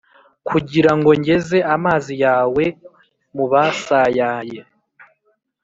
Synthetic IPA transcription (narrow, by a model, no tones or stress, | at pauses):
kʰuɟiɾaŋɡo̞ɲɟe̞ze̞amaːzijaːwe̞ | muβasajaːje